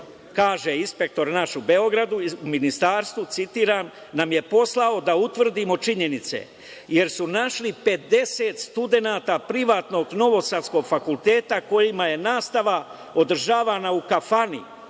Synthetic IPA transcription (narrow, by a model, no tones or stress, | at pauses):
kaːʒe̞inspe̞k̚t̪o̞ɾnaʃube̞o̞ɡɾad̪uuminist̪aːɾst̪ʋut̪sit̪iːɾan | namje̞po̞slˠao̞d̪aut̪ʋr̩d̪imo̞t͡ʃiɲe̞nit̪sḛ | je̞ɾsunaʃlipe̞d̪e̞set̪st̪ud̪e̞naːt̪apɾiʋaːt̪no̞ɡno̞ʋo̞sad̪sko̞ɡfakulˠt̪e̞ːt̪ako̞jimaje̞naːst̪aʋa | o̞d̪r̩ʒaːʋanaukafanḭ